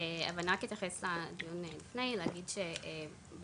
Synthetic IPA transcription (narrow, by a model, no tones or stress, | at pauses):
ea̰vanakit̪jaχeslad̪ijunelifnejleaɡidʃee | b